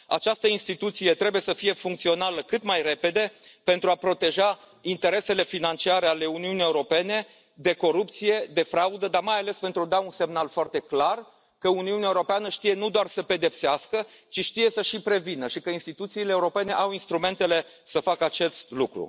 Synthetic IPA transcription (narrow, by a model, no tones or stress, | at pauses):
a̰t͡ʃast̪əinst̪it̪ut̪sije̞t̪ɾe̞buje̞səfije̞fuŋk̚t̪sio̞naləkɨt̪majre̞pe̞d̪e̞pe̞nt̪ɾuapɾo̞t̪e̞ʒa | int̪e̞ɾe̞se̞le̞finant͡ʃiaɾe̞ale̞uniunijeuɾo̞pe̞ne̞ | d̪e̞ko̞ɾup̚t̪sije̞d̪e̞fɾaud̪əd̪armajale̞spe̞nt̪ɾud̪aunse̞mnalfoart̪e̞klar | kəuniuneaeuɾo̞peanəʃt̪ije̞nud̪oarsəpe̞d̪e̞pseaskə | t͡ʃiʃt̪ije̞səʃipɾe̞vinəʃikəinst̪it̪ut̪siːleːuɾo̞pe̞ne̞ʔawinst̪ɾume̞nt̪e̞le̞ | səfakəat͡ʃe̞st̪lukɾṵ